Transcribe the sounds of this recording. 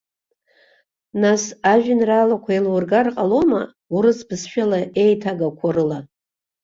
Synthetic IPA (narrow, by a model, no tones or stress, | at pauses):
nasaʒᶣɪnralakʷʰailwurɡarqʼalo̞ma | uɾɨsbɨsʃᶣalaʔe̞jtʰaɡakʷʰaɾɨla